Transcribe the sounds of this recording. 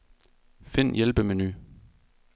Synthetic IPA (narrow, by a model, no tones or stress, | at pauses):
fen̰jelb̥əmeny̰ː